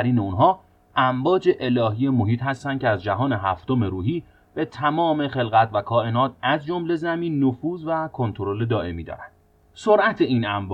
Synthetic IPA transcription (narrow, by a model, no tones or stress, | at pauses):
æɾiːneunɦɒː | æmbɒːd͡ʒe̞ʔe̞lɒːɦiːjemo̞ɦiːt̪ɦæst̪æn̥cʰeæzd͡ʒæɦɒːne̞ɦæft̪o̞me̞ɾuːɦiː | b̥e̞t̪ʰæmɒːme̞χe̞lɣæt̪ʰvækʰɒːe̞nɒːt̪ʰæzd͡ʒo̞mle̞zæmiːnːofuːzvækʰo̞nt̪ʰoɾo̞le̞d̪ɒːʔe̞miːd̪ɒ̰ːɾænd̪̥ | soɾʔæt̪ʰe̞iːnæmb